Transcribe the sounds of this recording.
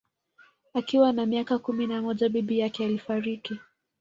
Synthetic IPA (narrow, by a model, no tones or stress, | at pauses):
akiwanamiakakuminamɔʄaɓiɓijakɛalifaɾiki